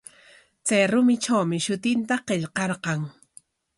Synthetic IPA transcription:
t͡sajɾʊmɪʈ͡ʂawmɪʃʊt̪ɪnt̪aqeʎqɑɾqɑŋ

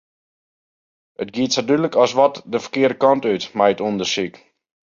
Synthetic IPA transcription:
ətɡiətsatyləkɔsʋɔtdəfə̥rkɪːədəkɔntytmɛjətondəsik

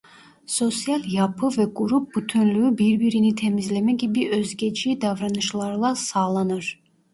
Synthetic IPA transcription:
so̞sijɑlʲˠjɑpʰɯvɛɡuɾup̚but̪ʰynlyybiɾbiɾinit̪ʰe̞mizlemɛɡʲibiʔøzɡʲet͡ʃʰid̪ɑvɾɑnɯʃlˠɑɾlˠɑsɑːlˠɑnɯɾ

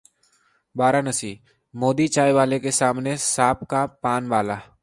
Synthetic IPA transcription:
baːɾanəsiː | moːd̪it͡ʃaːjʋaːlekesaːmnesaːpkapaːnʋaːlaː

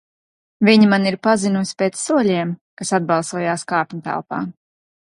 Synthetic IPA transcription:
viɲimaniɾpazinusʲpeːt̪sːuɔlʲiɛmkasad̪̚bɑlˠsuɔjaːskaːpʲɲt̪a̰lˠpa̰ː

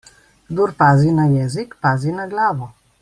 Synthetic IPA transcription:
ɡd̪uɾpaːzinajɛːzikpaːzinaɡlaːʋɔ

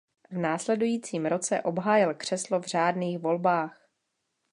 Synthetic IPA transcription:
vnaːslɛdujiːt͡siːmɾo̞t͡sɛ̰ʔo̞bɦaːjɪlkr̥ɛslovr̝̥aːdniːxvo̞lbaːx

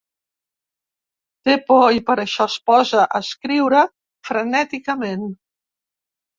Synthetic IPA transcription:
t̪epɔipəɾəʃɔspɔzəʔəskɾiwɾə | fɾənɛt̪ikəmen

